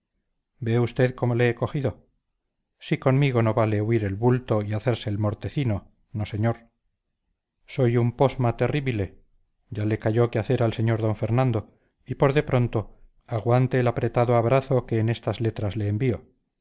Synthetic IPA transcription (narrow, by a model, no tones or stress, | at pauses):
be̞ust̪e̞ðko̞moleeko̞xiðo̞ | siko̞nmiɣo̞no̞βale̞uiɾe̞lβult̪o̞iaθe̞ɾseːlmo̞ɾt̪e̞θino̞ | noseɲoɾ | so̞jumpo̞zmat̪e̞riβile̞ | ɟ͡ʝale̞kaʝo̞keaθe̞ɾalse̞ɲo̞ɾðo̞ɱfe̞ɾnãnd̪o̞ | ipo̞ɾðe̞pɾo̞nt̪o̞ | aɣwant̪e̞ːlapɾe̞t̪aðoaβɾaθoke̞ːne̞st̪azle̞t̪ɾazle̞ːmbio̞